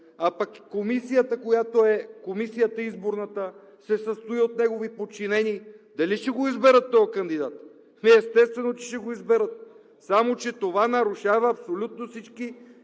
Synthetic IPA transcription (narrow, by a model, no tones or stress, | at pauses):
apɐkːomisijət̪əkojat̪oɛkomisijət̪əizboɾnət̪ə | sɛsəst̪oiot̪̚nɛɡovipot͡ʃinɛniːd̪ɐliʃɛɡoizbɛɾət̪ːɔjkɐnd̪id̪at̪ | mɛɛst̪ɛst̪vɛnot͡ʃɛʃɛɡoizbɛɾət̪̚ | samot͡ʃɛt̪ovanɐɾuʃavɐɐpsolʲut̪̚nosit͡ʃki